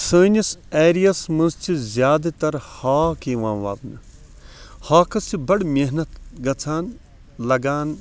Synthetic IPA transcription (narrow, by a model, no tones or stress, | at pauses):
səːnɐseːɾijɐsmɐ̃nzt͡ʃʰizʲjaːd̪ɐt̪ɐɾhaːkeːʋãːʋa̰ːbnɨ | haːkɐsibɐɽmeɦnɐt̪ɡɐt͡sʰaːn | lɐɡaːn